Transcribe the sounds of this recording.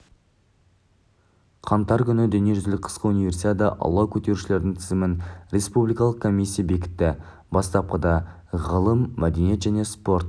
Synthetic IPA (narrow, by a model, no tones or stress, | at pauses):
qʰɑmt̪ɑɾkʲʰʏnɪd̪ɵne̞ʒʏzlɪk̚ʲqʰə̥sqəunive̞rsit̪ʲed̪ɑʔɑ̰wˠlˠɑkʲʰɵt̪e̞ɾuʃɪle̞ɾd̪ɪŋt̪ʰɪzɪmɪnɾe̞spublijkɑlˠəqkʰomisʲːijabe̞kʲɪ̥t̪ːɪ | bɑst̪ɑp̚qəd̪ɑ | ʁəlˠəmːæd̪enije̞t̪ʒæne̞spo̞ɾt̪